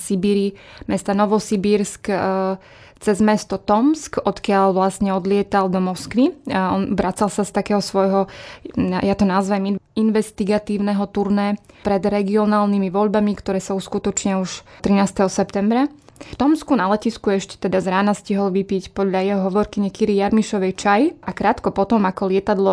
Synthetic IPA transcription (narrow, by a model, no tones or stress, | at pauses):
sibiːɾimɛst̪anɔʋɔsibiːɾsk | t͡sɛzmɛst̪ɔt̪ɔmskɔt̪kɪaʎʋlasɲɛɔd̪lɪɛt̪ald̪ɔmɔskʋiɔnʋɾat͡salsast̪akɛːɦɔsʋɔjɦɔ | jat̪ɔnazʋɛmiinʋɛst̪iɡat̪iːʊnɛɦɔt̪uɾnɛpɾɛd̪ɾɛɡiɔnaːlnimiʋɔʎbamikt̪ɔɾɛːsauskut̪ɔt͡ʃɲɪauʃt̪ɾinaːst̪ɛɦɔsɛpt̪ɛmbɾaft̪ɔmskunalɛciskuɛʃcɛ̥t̪ɛd̪azɾaːnasciɦɔlʋipicpɔd̪ʎajɛɦɔɦɔʋɔɾkiɲɛkiɾijaɾmiʃɔʋɛjt͡ʃajʔakɾaːt̪kɔpɔt̪ɔmakɔlɪɛt̪ad̪lɔ